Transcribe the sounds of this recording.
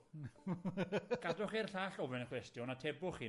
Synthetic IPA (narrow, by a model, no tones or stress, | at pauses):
ɡ̥adɔχerɬaːɬɔvɪnəkʰwɛstjɔnatʰɛbʊχiː